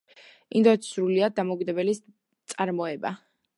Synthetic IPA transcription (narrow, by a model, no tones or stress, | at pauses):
ind̪ɔɛt̪ʰi̥sɾuliad̪amɔukʼid̪ɛbɛli | t̪sʼaɾmɔɛba